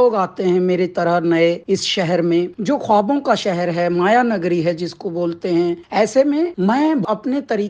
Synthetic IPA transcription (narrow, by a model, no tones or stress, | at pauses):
oːɡaːt̪eɦɛ̃meːɾet̪ɐɾənɐeɪsʃɛɦɛɾmẽd͡ʒoːxwaːbõkaʃɛɦɛɾɦɛmaːjanɐɡɾiɦɛd͡ʒɪskoboːlt̪eɦɛ̃ɛːsemẽmɛ̃ːɐpnet̪ɐɾiː